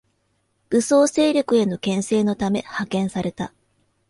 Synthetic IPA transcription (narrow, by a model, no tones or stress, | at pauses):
ɯ̟soːse̞ːɾʲo̞kɯ̟e̞no̞kẽ̞ɰ̃se̞ːno̞t̪ame̞hakẽ̞ɰ̃saɾe̞t̪a